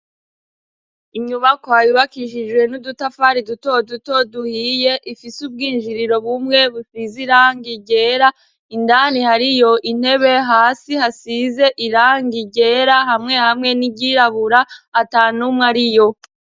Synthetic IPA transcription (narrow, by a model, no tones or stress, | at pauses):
imɲuβakoajuβakiʃ̬id͡ʒɡwe̞nudutafaɾiduto̞duto̞duhiːje̞ʔifisub̚ɡiːnʒiɾiɾo̞βumŋe̞βusiziɾaːŋɡiɟe̞ːɾa | indaːnihaɾijo̞ʔin̥he̞βe̞ɦaːsihasize̞ʔiɾaːŋɡiɟe̞ɾaɦamŋe̞hamŋe̞niɟiɾaβuɾaːtaːnumŋaɾijo̞